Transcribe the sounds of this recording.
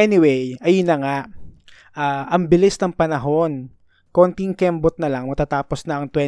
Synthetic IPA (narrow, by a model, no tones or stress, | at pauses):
ɛnɪwejɐjnɐŋaʔ | ʔaːʔɐŋbɪlɪsnɐŋpɐnɐɦo̞n | ko̞ːnt̪iŋkɛmbot̪̚nɐlɐŋmɐt̪aːt̪aːposnɐɐŋt̪wɛ